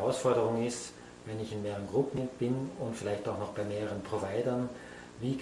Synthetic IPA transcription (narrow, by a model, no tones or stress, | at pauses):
aʊsfɔɐdəʁʊŋɪst | vɛnɪçɪnmeːʁənɡʁʊpm̩b̥ɪnʊntfɪlaɪçtaʊxnɔxb̥aɪmeːʁəʁənpʁ̥ovaɪdɐn | viːk